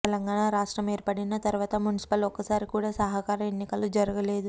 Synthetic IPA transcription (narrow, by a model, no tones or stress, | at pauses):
t̪ɛlɐŋɡaːɳaɾaːʂʈɾɐmeːɾpɐɽinɐt̪ɐɾuʋaːt̪ɐmunisi̥pɐlɔkːɐsaːɾikuːɽaːsɐɦɐkaːɾɐmenːikɐlud͡ʒɐɾɐɡɐle̞ːd̪u